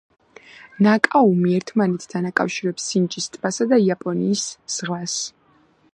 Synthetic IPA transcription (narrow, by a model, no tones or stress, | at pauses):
nakʼaumiɛɾt̪ʰmanɛt̪ʰd̪ʰanakʼa̰fʃiɾɛpsːint͡ʃʼist̪ʼb̥asad̪aiapʼɔnḭːsz̥ʁlas